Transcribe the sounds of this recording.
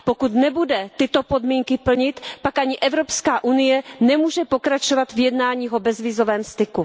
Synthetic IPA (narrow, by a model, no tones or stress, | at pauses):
po̞kut̪nɛbudɛt̪ɪt̪opo̞dmiːŋkɪpl̩ɲɪt̪pakaɲɪʔɛvɾopskaːʔunɪjɛnɛmuːʒɛpo̞kɾat͡ʃovat̪vjɛdnaːɲiːɦobɛzvɪzovɛːmst̪ɪku